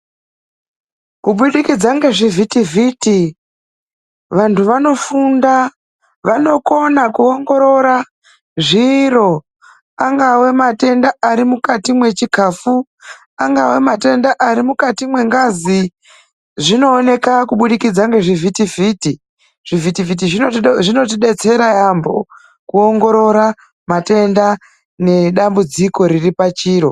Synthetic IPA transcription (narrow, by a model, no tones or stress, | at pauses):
kuɓuɗikid͡zaŋɡe̞ʐivʱitivʱiti | ʋantʰuʋano̞funda | ʋano̞ko̞nakuoŋɡo̞ɾo̞ɾa | ʐiːro̞ | aŋɡawe̞mate̞ndaaɾimukatimwe̞t͡ʃikʰafu | aŋɡawe̞mate̞ndaʔaɾimukatimwe̞ŋɡazi | ʐino̞ːne̞kakuɓuɗikid͡zaŋɡe̞ʐivʱitiviːti | ʐ̥ivitifit̬iʐiʐino̞t̬iɗe̞t͡se̞ɾajambo̞ | kuo̞ŋɡo̞ɾo̞ɾa | mate̞nda | ne̞ɗambud͡ziko̞ɾiripat͡ʃiːɾo̞